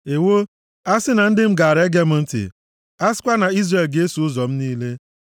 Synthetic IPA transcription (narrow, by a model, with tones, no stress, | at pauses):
e˨wo˦ | a˦sɪ˦na˨n̩˦dɪ˦m̩˦ɡa˨ɾe˦ɡe˦m̩˦n̩˦tɪ̰˨ | a˦sɪ̥˦kʷa˦na˨i˦zre˨lɡe˦e˦su˨ʊ˦zɔ˨m̩˦niː˦le˦